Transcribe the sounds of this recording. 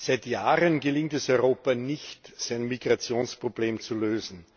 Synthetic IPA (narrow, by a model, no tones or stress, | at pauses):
z̥aɪtjaːʁənɡəlɪŋtɛsɔʏʁoːpɐnɪçtsaɪnmiɡʁat͡sjoːnspʁ̥ob̥leːmt͡suløːzn̩